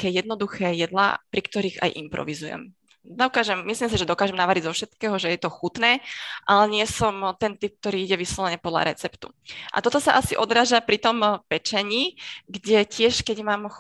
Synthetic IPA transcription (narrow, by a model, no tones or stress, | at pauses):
akɛːjɛd̪nɔd̪uxɛːjɛd̪la̰pɾikt̪ɔɾiːɣa̰jʔimpɾɔ̰ʋizujɛ̰m | d̪ɔkaːʒɛmːislims̬iʒɛd̪ɔkaːʒɛmnaʋaɾiɟzɔfʃɛt̪kɛːɦɔʒɛjɛt̪ɔxut̪nɛːʔalɛɲɪɛsɔmt̪ɛnt̪ip̚k̚t̪ɔɾiːiɟɛʋislɔlɛɲɛpɔd̪la̰ɾɛt͡sɛpt̪u̥̰ | ʔa̰t̪ɔt̪ɔsaʔasiʔɔd̪ɾaːʒapɾit̪ɔmpɛt͡ʃɛɲiːɡɟɛcɪɛʃkɛɟmaːm